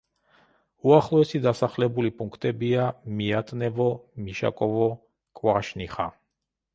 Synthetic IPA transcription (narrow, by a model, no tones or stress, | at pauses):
uaχlˠɔɛsid̪asaχlɛbulipʼuŋkʰt̪ʼɛbiamiat̪ʼnɛvɔmiʃa̰kʼɔvɔ | kʼwaʃniχa̰